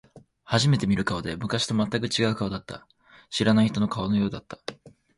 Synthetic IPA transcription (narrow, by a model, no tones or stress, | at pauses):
haʑime̞t̪e̞mʲiɾɯ̟kaod̪e̞mɯ̟kaɕi̥t̪o̞mat̪ːakɯ̟t͡ɕiɡaɯ̟kaod̪at̪ːa̰ | ɕiɾanaiçi̥t̪o̞nokaono̞jo̞ːd̪at̪ːḁ